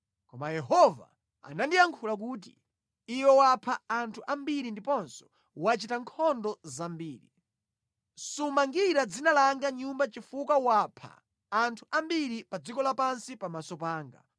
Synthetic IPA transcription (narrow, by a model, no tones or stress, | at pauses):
kɔmajɛɦɔva̰ | a̰nandijaŋkʰulak̬uːt̬ḭː | wɛwapʰaantʰuʔambiɾindipɔnsɔ̥ | wat͡ʃitaŋkʰɔndɔzambiːɾi | sumaŋɡiɾad͡zinalaŋɡaɲumbat͡ʃifukawapʰa̰ː | ntʰu̥ʔambiɾipad͡zikɔlapansipamasɔpaːŋɡa̰